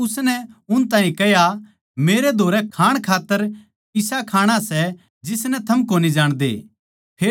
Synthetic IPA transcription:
ʊsnɛʊnt̪ãːĩkɛja | meːɾed̪ʱoːɾɛkʰaːɽ̃kʰaːt̪ːəɾ | ɪsakʰaːɽ̃asɛ | d͡ʒɪsnɛt̪ʰɐmkoːnid͡ʒaːɽ̃d̪ḛː | pʰeː

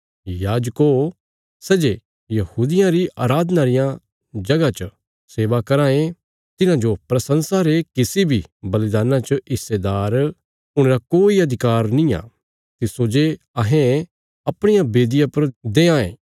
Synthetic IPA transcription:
jaːd͡ʒko | sɛːd͡ʒe | jɐhuːd̪ɪjãɾiʔaːɾaːd̪naɾɪjã | d͡ʒɐɡat͡ʃə | seːʋakɐɾãːẽ | t̪ɪnãd͡ʒopɾɐsɐ̃nsaːɾekɪsibʱibɐlɪd̪aːnãt͡ʃəɪstːed̪aːɾ | ʊɽ̃ɾakoːiɐd̪ʱɪkaːɾnĩja̰ː | t̪ɪsod͡ʒe | ɐɦẽ | ɐpɽ̃ɪjãbeːd̪ɪjãpɐɾd̪eːãːḛ̃ː

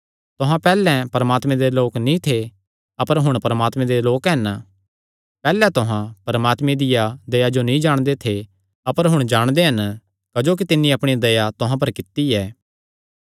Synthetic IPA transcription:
t̪ʊɦãpɛːlɛ̃pɐɾəmaːt̪mɛ̃d̪eloːknĩt̪ʰe | ɐpəɾɦʊɽ̃pɐɾəmaːt̪mɛ̃d̪eloːkɦɐn | pɛːlɛt̪ʊɦãpɐɾəmaːt̪mẽd̪ɪjad̪ɐjad͡ʒonĩd͡ʒaːɽ̃d̪et̪ʰe | ɐpəɾɦʊɽ̃d͡ʒaːɽ̃d̪eɦɐn | kɐd͡ʒoːk̬it̪ɪnːĩɐpɽ̃id̪ɐjat̪ʊɦãp̬ɐɾkɪt̪ːiɛː

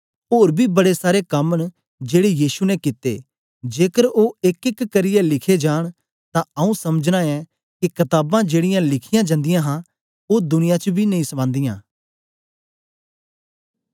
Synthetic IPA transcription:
oːɾbʱibɐɽesaːɾekɐməɳ | d͡ʒeːɽejiːsunɛkɪt̪ḛ | d͡ʒeːkəɾoːɪkɪkːəɾɪjɛlɪkʰed͡ʒaːɽ̃ | t̪ãɐũsɐməd͡ʒnãɛ | kikɐt̪aːbãd͡ʒeːɽɪjãlɪkʰɪjãd͡ʒãːnd̪ɪjãɦã | oːd̪ʊnɪjãt͡ʃbʱinɐĩsəbãːnd̪ɪjãː

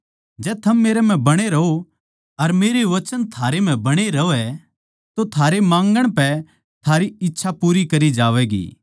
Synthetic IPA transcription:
d͡ʒɛːt̪ʰɐmːeːɾɛm̤ɛ̃bɐɽ̃eɾɐo | ɐɾmeːɾeʋɐt͡ʃənt̪ʰaːɾem̤ɛ̃bɐɽ̃eɾɐoɛ | t̪ot̪ʰaːɾemãːŋɡəɽ̃pɛ | t̪ʰaːɾiɪtːʃʰapuːɾikɐɾid͡ʒaːʋɛːɡḭː

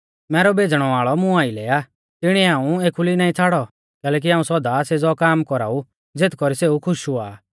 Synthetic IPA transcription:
mɛːɾɔbeːd͡zɽ̃ɔʋaːɭɔmʊ̃aːilɛːaː | t̪ɪɽ̃iaːũeːkʰulinaːĩt͡sʰaːɽɔ | kɛːlɛːk̬iaːũsɔd̪ased͡zɔkaːmkɔɾa̰ːu | d͡zet̪kɔɾiseːukʰʊʃuaː

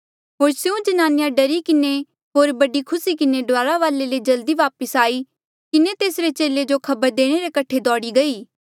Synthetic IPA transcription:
ɦoːɾsjũd͡ʒɐnaːnɪjãɖɐɾikɪne | ɦoːɾbɐɖikʰʊsikɪneɖʊaːɾaʋaːleled͡ʒɐld̪iʋaːpəsaːi | kɪnet̪eːsɾet͡ʃeːled͡ʒokʰɐbəɾd̪eːɽ̃eɾekɐʈʰed̪ɔːɽiɡɐiː

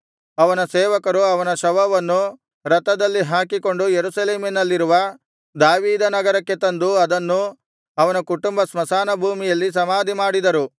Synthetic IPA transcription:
ɐʋɐnɐseːʋɐkɐɾuɐʋɐnɐʃɐʋɐʋɐnːu | ɾɐt̪ːɐd̪ɐlːiɦaːkiko̞ɳɖujeɾusɐleːminɐlːiɾuʋɐ | d̪aːʋiːd̪ɐnɐɡɐɾɐkːe̞t̪ɐnd̪uɐd̪ɐnːu | ɐʋɐnɐkuʈumbɐsmɐsaːnɐbʱuːmijɐlːis̬ɐmaːd̪ʱimaːɽid̪ɐɾu

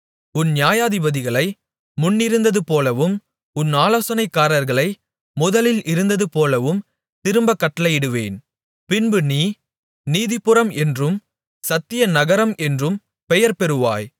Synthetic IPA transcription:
ʊnːnjaːjaːðɪbɐðɪɣɐɭɐɪ | mʊnːɪɾɯnd̪ɐðɯpoːlɐʋɯm | ʊnːaːloːsɐnɐɪkːaːɾɐɾɣɐɭɐɪ | mʊðɐlɪlɪɾɯnd̪ɐðɯpoːlɐʋɯm | t̪ɪɾɯmbɐkːɐʈːɐlɐɪɪɽɯʋḛːn | pɪnbɯniː | niːðɪpːɯɾɐmɛndrɯm | sɐt̪ːɪjɐnɐɣɐɾɐmʔɛndrɯm | pɛjɐɾpɛɾɯʋa̰ːj

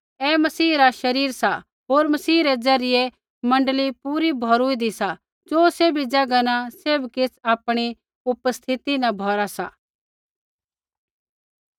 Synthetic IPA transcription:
ɛmɐsiːɾaʃɐɾiːɾsa | ɦoːɾmɐsiːɾed͡zɐɾɪje | mɐ̃ɳɖəlipuːɾibʱɔːɾʊid̪isa | d͡ʒoːsebʱid͡ʒɐɡanaseːbkɪsʰaːpɽ̃i | ʊpəst̪ʰɪt̪inɐ̃bʱɔːɾasa

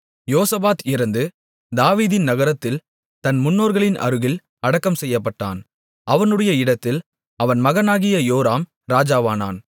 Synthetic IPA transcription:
joːsɐbaːt̪ɪɾɐnd̪ɯ | d̪aːʋiːðɪnnɐɣɐɾɐt̪ːɪl | t̪ɐnmʊnːoːɾɣɐɭɪnʔɐ̰ɾɯɣɪl | ɐɽɐkːɐmsɛjːɐpːɐʈːa̰ːn | ʔɐʋɐnɯɽɐjɐɪɽɐt̪ːɪl | ɐʋɐnmɐɣɐnaːɣɪjɐjoːɾaːm | ɾaːd͡ʒaːʋaːna̰ːn

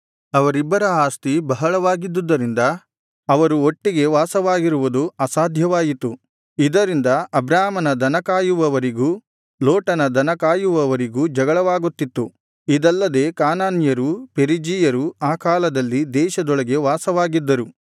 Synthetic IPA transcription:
ɐʋɐɾibːɐɾɐaːst̪ibɐɦɐɭɐʋaːɡid̪ːud̪ːɐɾind̪ɐ | ɐʋɐɾuoʈːiɡe̞ʋaːsɐʋaːɡiɾuʋud̪uɐsaːd̪ʱjɐʋaːjit̪u | id̪ɐɾind̪ɐʔɐbɾaːmɐnɐd̪ʱɐnɐkaːjuʋɐʋɐɾiɡuː | loːʈɐnɐd̪ʱɐnɐkaːjuʋɐʋɐɾiɡuːd͡ʒɐɡɐɭɐʋaːɡut̪ːit̪ːu | id̪ɐlːɐd̪e̞ːkaːnaːnjɐɾupeɾid͡ʒijɐɾuaːkaːlɐd̪ɐlːid̪ɛːʃɐd̪ɔɭɐɡe̞ʋaːsɐʋaːɡid̪ːɐɾu

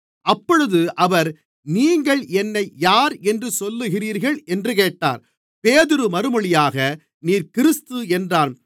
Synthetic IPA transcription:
ʔɐpːɔɻɯðɯʔɐʋɐɾ | niːŋɡɐɭɛnːɐɪjaːɾɛndrɯsɔlːɯɣɪriːɾɣɐɭʔɛndrɯk̬eːʈːa̰ːɾ | peːðɪɾɯmɐɾɯmɔɭɪjaːɣɐ | niːɾkɪɾɪst̪ɯɛndraːn

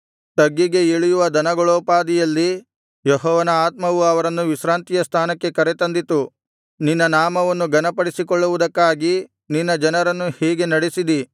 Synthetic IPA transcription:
t̪ɐɡːiɡe̞eɭijuʋɐd̪ɐnɐɡɐɭoːpaːd̪ijɐlːi | jɔɦɔːʋɐnɐaːt̪mɐʋuɐʋɐɾɐnːuʋiʃɾaːnt̪ijɐst̪ʰaːnɐkːe̞kɐɾet̪ɐnd̪it̪u | ninːɐnaːmɐʋɐnːuɡɐnɐpɐɽisikɔɭːuʋud̪ɐkːaːɡi | ninːɐd͡ʒɐnɐɾɐnːuhɛːɡe̞nɐɽesid̪i

